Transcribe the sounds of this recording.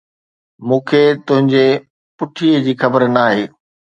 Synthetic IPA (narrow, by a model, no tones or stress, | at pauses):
mũːkʰet̪ʊ̃ɦɪ̃ɲd͡ʑe | pʊʈʰiːəd͡ʑiːxɐbəɾnaːɦeː